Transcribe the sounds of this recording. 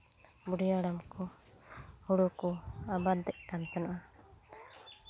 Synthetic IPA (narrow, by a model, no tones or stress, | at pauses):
buɽijaɽamkɔ | huɽɔkɔabad̪ɛʔ̚kant̪anaʔa